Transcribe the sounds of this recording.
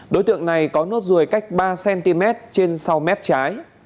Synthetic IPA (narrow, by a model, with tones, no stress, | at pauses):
ɗo˨˦jt̪ɨ̰˧˨əŋna˨˩jkɔ˨˦no˦˥t̚zu˨˩əjka˦˥jk̟̚ɓaː˧sɛ˧nt̪i˧mɛ˦˥t̚t͡ɕe˧nsa˧wmɛ˦˥p̚t͡ɕaː˨˦j